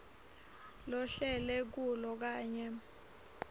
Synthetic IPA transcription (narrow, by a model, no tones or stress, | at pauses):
lɔɬɛlɛk̬ulɔk̬aːɲɛ